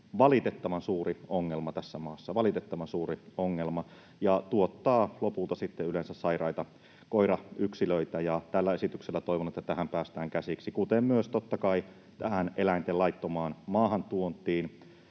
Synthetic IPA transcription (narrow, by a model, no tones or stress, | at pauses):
ʋɑlit̪et̪ːɑʋɑnsuːrioŋːelmɑt̪æsːæmɑːsːɑʋɑlit̪et̪ːɑʋɑnsuːrioŋːelmɑ | jɑt̪uot̪ːɑːlopult̪ɑsit̪ːeylensæssɑirɑit̪ɑ | koiɾɑʔyksiløit̪æjɑt̪ælːæe̞sit̪ykselːæt̪oiʋonet̪ːæt̪æhæmpæːst̪æːŋkæsiksikut̪emmyøst̪ot̪ːɑkɑi | t̪æhænʔelæint̪elɑit̪ːomɑːnmɑːhɑnt̪uont̪ˑiːn